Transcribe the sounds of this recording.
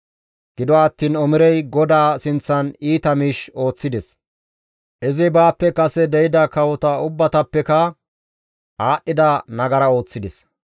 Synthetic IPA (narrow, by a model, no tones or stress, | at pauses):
ɡ̥ɪd̪ɔɐt̪ːiːnɔmɪɾɛjɡɔd̪aːsɪnt͡sːɐniːt̪ɐmiːʃo̞ːt͡sːɪd̪ɛs | ʔɛzɪbaːpːɛkɐsɛd̪ɛjɪd̪ɐkɐwɔt̪ɐʊbːɐt̪ɐpːɛkɐ | aːʔːɪd̪ɐnɐɡɐɾɐo̞ːt͡sːɪd̪ɛs